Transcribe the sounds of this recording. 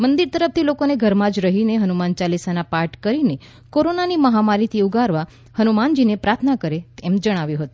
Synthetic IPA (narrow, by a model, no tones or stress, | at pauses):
mənd̪iɾt̪əɾəft̪ʰilokoneɡʱəɾmãd͡ʒɾəɦineɦənumant͡ʃalisanapaɾʈkəɾine | koɾonaniməɦamaɾit̪ʰiuɡʱaɾʋa | hənumand͡ʒinepɾat̪ʰnakəɾet̪emd͡ʒəɽ̃aʋjũɦət̪ũ